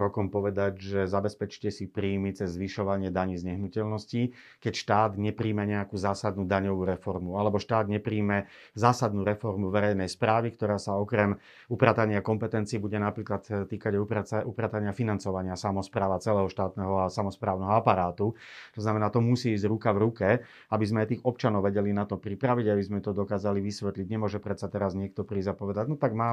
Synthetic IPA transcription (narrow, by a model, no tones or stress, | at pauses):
ɾɔkɔmpɔʋɛd̪aɟʒɛzabɛspɛt͡ʃi̥cɛsipɾiːmit͡sɛzːʋiʃɔʋaɲɪɛd̪aɲiːzɲɛɦnucɛʎnɔsci | kɛcʃt̪aːd̪ɲɛpɾiːmɛɲɛakuːzaːsad̪nuːd̪aɲɔʋuɾɛfɔɾmualɛbɔʃt̪aːd̪ɲɛpɾiːmɛ | zaːsad̪nuːɾɛfɔɾmuʋɛɾɛjnɛjspɾaːʋikt̪ɔɾaːsaɔkɾɛm | upɾaːt̪aɲɪakɔmpɛt̪ɛnt͡siːbuɟɛnapɾiːklat̪t̪ːiːkaɟɛuupɾaːt̪aɲɪafinant͡sɔʋaɲɪasamɔspɾaːʋat͡sɛlɛːɦɔʃt̪aːt̪nɛɦɔasamɔspɾaːʊnɛɦɔapaɾaːt̪ut̪ɔznamɛnaːt̪ɔmusiːzɟɾukavɾukɛ | abizmɛajt̪iːɣɔp̚t͡ʃanɔʊʋɛɟɛlinat̪ɔpɾipɾaʋiɟajbizmɛt̪ɔd̪ɔkaːzaliʋisʋɛt̪liɟɲɛmʊɔʒɛpɾɛt̪sat̪ɛɾazɲɪɛk̚t̪ɔpɾiːzapɔʋɛd̪aɟnɔt̪aɡmaː